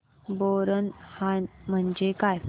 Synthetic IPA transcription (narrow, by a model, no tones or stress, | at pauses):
boɾənhanm̤əɳd͡ʑekaj